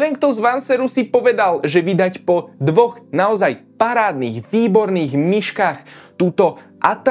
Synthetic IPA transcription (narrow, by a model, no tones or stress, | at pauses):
ʋɛŋkt̪ɔzʋansɛɾusipɔʋɛd̪alʒɛʋid̪acpɔd̪ʋɔɣnaɔzajpaɾaːd̪niːɣʋiːbɔɾniːɣmiʃkaːxt̪uːt̪ɔ | ʔat̪